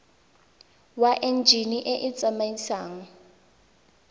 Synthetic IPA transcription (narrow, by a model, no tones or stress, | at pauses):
waʔend͡ʒʱiniʔeʔɪt͡sʼamaisaːŋɔ